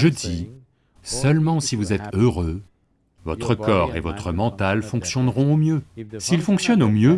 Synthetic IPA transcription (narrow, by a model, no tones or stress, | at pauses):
ʒəd̪i | səlmɑ̃sivuzɛt̪øʁø | vɔt̪χəkɔʁḛvɔt̪χəmɑ̃t̪alfɔ̃ksjɔnʁɔ̃omjøsilfɔ̃ksjɔnomjø